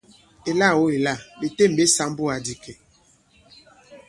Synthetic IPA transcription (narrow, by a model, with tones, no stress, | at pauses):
e˨la˦˨wo˦e˨la˦˨be˨te˦˨m̩˨be˦sa˨˦m˦bu˦a˨di˨kʰe˨